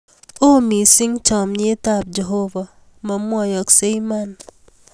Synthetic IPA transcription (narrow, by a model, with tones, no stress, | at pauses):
o˦mi˨sɪ˦ŋt͡ʃɔ˨mɲe˦ta˨p̚d͡ʒe˨ɦo˦va˨ | mɔ˨mwɔ˦˨jɔ˨kse˦i˦ma˦n